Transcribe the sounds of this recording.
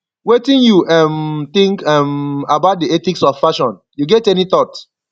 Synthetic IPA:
wetĩnjuʔɛmt̪ĩŋkɛmabaʊt̚diɛtiksɔffaʃɔ̃n | juɡɛtɛnit̪ɔt

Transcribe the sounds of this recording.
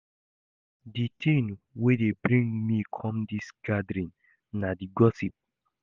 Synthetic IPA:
ditʰẽnwedebɹĩŋmikʰɔ̃mdisɡ̥adɾĩn | nadiɡɔsip̚

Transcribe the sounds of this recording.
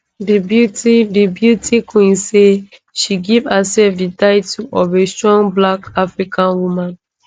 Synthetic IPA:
dibjutidibjutʰikʰwĩnse | ʃiɡivhasɛfdidaɪtʰuʔɔvestɹɔ̃ŋblakafɹikʰãnwumãn

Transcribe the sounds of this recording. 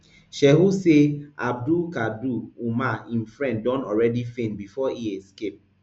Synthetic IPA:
ʃɛɦuseab̚dukaduumaĩmfɹɛ̃nddɔ̃nɔɹɛdifẽnbifɔiɛskep̚

